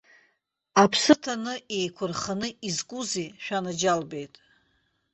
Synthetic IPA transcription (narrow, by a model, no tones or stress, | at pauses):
apʰsɨtʰanɨejkʷʰʊrχanɨizkʷʼuziʃᶣanad͡ʒalbe̞jtʼ